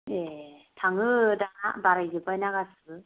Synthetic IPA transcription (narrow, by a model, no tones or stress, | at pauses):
jetʰaŋɯdaabaɾɯɡɯbajnaɡasʰɯɡɯ